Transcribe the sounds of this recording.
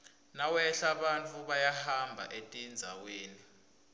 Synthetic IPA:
nawɛɬaɓantʰʼuɓajahambʱa̰ʔetʼind͡zʱa̰weːni

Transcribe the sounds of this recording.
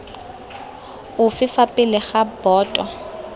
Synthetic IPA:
ʊfɪfapʼɪlɪχabɔːtʼɔ

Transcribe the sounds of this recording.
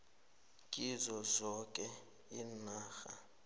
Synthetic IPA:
kʼizɔzɔkʼɛ | inaːxa̰

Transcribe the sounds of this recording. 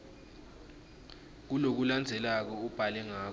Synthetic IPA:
k̬ulok̬uland͡zʱɛlak̬ɔub̥ʱalɛŋaːk

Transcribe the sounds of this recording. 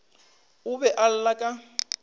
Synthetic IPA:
ʊbɛʔal̩lakʼa

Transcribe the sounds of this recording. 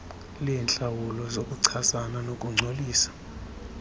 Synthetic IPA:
lijɛnt͡ɬʼawulɔzokʼuǀʰasananokʼuŋ͡ǀʱoliːsḁ

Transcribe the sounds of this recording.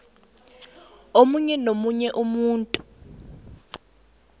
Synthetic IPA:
omuɲɛnomuɲɛʔumuːntʼu

